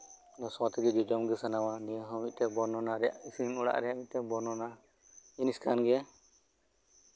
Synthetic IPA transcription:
nɔsɔt̪ɛɡɛd͡ʒɔd͡ʒɔmɡɛsanawanɛɦɔ̃mit̪̚t̪ɛbɔnɔnaɾɛja̰ʔisinɔɽa̰ʔɾɛjaʔmit̚ˀt̪ɛbɔnɔna | iniskʰanɡɛ

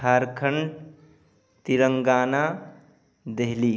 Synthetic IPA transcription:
aɾkʰəɳ | t̪iɾəŋɡaːna | d̪eɦli

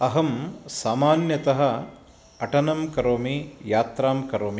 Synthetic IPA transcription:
ɐɦɐmsaːmaːnjɐt̪ɐɦɐ̆ | ɐʈɐnɐmkɐɾoːmijaːt̪ɾaːmkɐɾoːmi

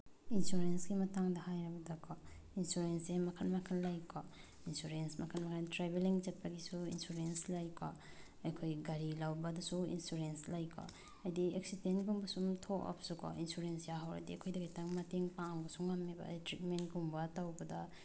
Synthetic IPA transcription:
insuɾensɡimɐtaŋdɐhajɾabɐdɐkʰɔ | insuɾensemɐkʰɐnmakʰɐnlajkʰɔ | insuɾensmɐkʰɐnmakʰantɾabeliŋd͡ʒɐt̚paɡisuḭnsuɾenslajkʰɔ̰ | ɐjkʰojɡaɾilawbɐdɐsuḭnsuɾenslajkʰɔ̰ | ajdiek̚sitenɡuŋbɐsumtʰɔkɔ̰psukʰɔ̰insuɾensjaɦawɾa̰diɐkʰojdɐɡajtaŋmɐteŋpaŋŋbɐsuŋːamebɐ̰ditɾit̚mentɡuŋbɐtawbɐdɐ

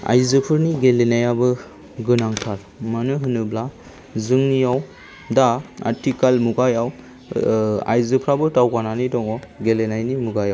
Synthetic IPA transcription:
a̰jzɯpʰɯɾniɡelenajabɯ | ɡɯnaŋtʰaɾ | manɯɦɯnɯbla | zɯŋnijaw | daa̰ɾtikalmuɡajaw | a̰jzɯpʰɾabɯtawkananidɔŋɔɡelenajnimuɡajaw

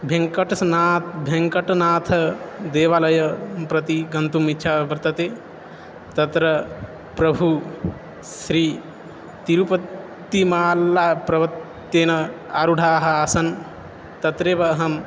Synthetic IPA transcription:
bʱẽŋkɐʈɐsnaːt̪ʰbʱeŋkɐʈnaːt̪ʰɐd̪eːʋalɐjɐpɾɐt̪iɡɐnt̪umit͡ʃʰabɐɾt̪ɐt̪e | t̪ɐt̪ɾɐ | pɾɐbʱu | sɾiː | t̪iɾupɐt̪ː | imaːlːapɾɐʋɐt̪ː | eːnɐ | aɾuɽʱaːɦɐaːsɐn | t̪ɐt̪ɾebɐɦɐm

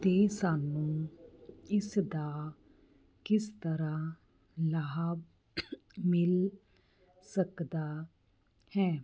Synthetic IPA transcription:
t̪eːsaːnũː | ɪsd̪aː | kɪst̪əɾãː | laːb | mɪl | səkd̪aː | hɛː

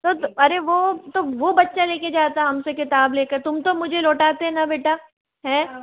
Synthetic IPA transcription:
t̪ot̪ɐɾeʋot̪oʋobɐtːʃaleːked͡ʒaːt̪aɦɛɦɐmsekɪt̪aːbleːkɐɾt̪ʊmt̪omʊd͡ʒʱeloːʈaːt̪eɦɛnabeːʈa | ɦɛ̃ː

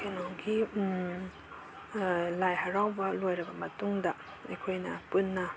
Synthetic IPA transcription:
kenɔɡi | lajɦɐɾawbɐlojɾɐbɐmɐtuŋdɐ | ḛjkʰojnɐpunːɐ

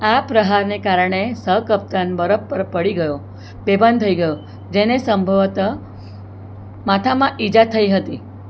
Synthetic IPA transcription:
apɾəɦaɾnekaɾɳ̃esəkəp̚t̪anbəɾəpːəɾpəɽiɡəjo | bebʱənt̪ʰəiɡəjo | d͡ʒenesəmbʱəʋt̪ə | mat̪ʰamãʔid͡ʒat̪ʰəiɦət̪i

